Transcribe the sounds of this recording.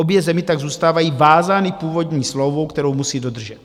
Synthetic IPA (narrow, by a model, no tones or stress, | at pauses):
o̞bjɛzɛmɪt̪aɡzuːst̪aːvajiːvaːzaːnipuːvo̞dɲiːslowvo̞wkt̪ɛɾo̞wmusiːdo̞d̪r̩ʒɛt̪